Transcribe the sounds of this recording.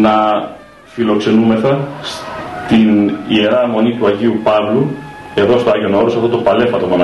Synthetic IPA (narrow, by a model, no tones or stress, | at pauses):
nɐ | filo̞kse̞nume̞θɐst̪inie̞ɾɐmo̞nit̪uɐʝiupɐvlue̞ðo̞st̪oɐʝio̞no̞ɾosɐft̪o̞t̪opɐle̞fɐt̪o̞monɐ